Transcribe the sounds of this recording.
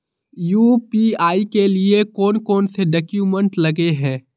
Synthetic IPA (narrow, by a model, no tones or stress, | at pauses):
juːpiːaːikeliekɔːnkɔːnseɖɐkjuːmə̃ɳʈlɐɡeɦɛ̃ː